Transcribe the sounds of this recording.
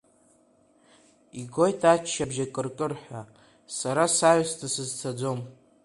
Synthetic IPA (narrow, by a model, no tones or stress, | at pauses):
iɡʷo̞jtʰat͡ʃʰːabʒakʼɨrkʼɨrħʷᶣa | saɾasajstʰasɨzt͡sʰad͡zom